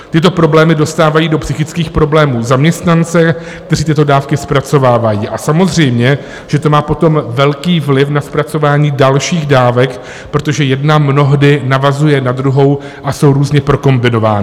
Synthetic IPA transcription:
t̪ɪt̪o̞pɾo̞blɛːmɪdo̞st̪aːvajiːdo̞psɪxɪt͡skiːxpɾo̞blɛːmuːzamɲɛst̪nant͡sɛ | kt̪ɛriːt̪ɪt̪o̞daːfkɪspɾat͡so̞vaːvajiːʔasamo̞zr̝ɛjmɲɛ | ʒ̥ɛt̪o̞maːpo̞t̪o̞mvɛlkiːvlɪfnaspɾat͡so̞vaːɲiːdalʃiːɣdaːvɛk | pɾo̞t̪oʒɛjɛdnamno̞ɦdɪnavazujɛnad̪ɾuɦo̞w | ʔaso̞wɾuːzɲɛpɾo̞ko̞mbɪno̞va̰ːnɪ

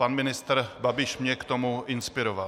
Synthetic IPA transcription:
anmɪnɪst̪ɾbabɪʃmɲɛkt̪omuʔɪnspɪɾova

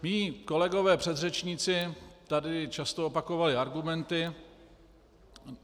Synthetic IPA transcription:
miːko̞lɛɡo̞vɛːpr̥ɛd̪r̝ɛt͡ʃɲit͡sɪt̪adɪt͡ʃast̪oopako̞valɪaɾɡumɛnt̪ɪ

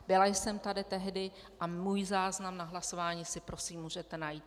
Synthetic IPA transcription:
bɪlajsɛmt̪adɪt̪ɛɦdɪ | ʔamuːjzaːznamnaɦlaso̞vaːɲiːsɪpɾo̞siːmːuːʒɛt̪ɛnajiːt̪̚

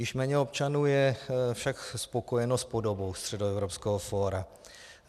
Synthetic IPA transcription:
jɪʃmɛːɲɛopt͡ʃanuːjɛfʃakspo̞ko̞jɛnospodo̞bo̞wst̪r̝̥ɛdoɛvɾopskɛɦofoːɾa

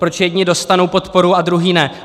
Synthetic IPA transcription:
pɾo̞t͡ʃjɛdɲɪdo̞st̪ano̞wpo̞t̪po̞ɾuadɾuɦiːnɛ

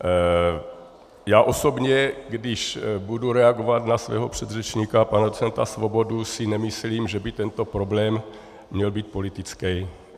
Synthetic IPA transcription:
jaːʔo̞so̞bɲɛɡdɪʃbuduɾɛaɡovat̪nasvɛ̰ːɦo̞pr̝̥ɛd̪rɛt͡ʃɲiːkapanadot͡sɛnt̪asvo̞bo̞dusɪnɛmɪsliːmʒɛbɪt̪ɛnt̪o̞pɾo̞blɛːmː | ɲɛlbiːt̪̚po̞lit̪ɪt͡skɛj

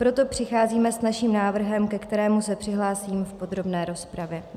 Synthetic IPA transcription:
pɾo̞t̪o̞pr̝̥ɪxaːziːmɛsnaʃiːmnaːvr̩ɦɛmkɛkt̪ɛɾɛːmusɛpr̥ɪɦlaːsiːmfpo̞d̪ɾo̞bnɛːɾo̞spɾavjɛ

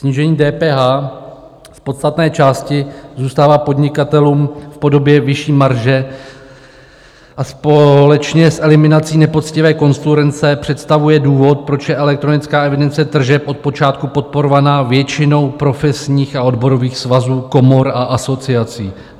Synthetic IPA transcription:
sɲiʒɛɲiːdɛːpɛːɦaː | spo̞t̪st̪at̪nɛːt͡ʃaːscɪzuːst̪aːvaːpo̞dɲɪkat̪ɛluːmfpo̞do̞bjɛvɪʃiːmaɾʒɛ | ʔaspolɛt͡ʃɲɛsʔɛlɪmɪnat͡siːnɛpo̞t̪t͡scɪvɛːko̞nsuɾɛnt͡sɛpr̝̥ɛt̪st̪avujɛduːvo̞t̪̚pɾo̞t͡ʃjɛʔɛlɛk̚t̪ɾo̞nɪt͡skaːɛvɪdɛnt͡sɛd̪r̩ʒɛpʔo̞t̪̚po̞t͡ʃaːt̪kupo̞t̪̚po̞ɾo̞vanaːvjɛt͡ʃɪno̞wpɾo̞fɛsɲiːxao̞dbo̞ɾo̞viːxsvazuːko̞mo̞ɾʔaʔaso̞t͡sɪat͡siː

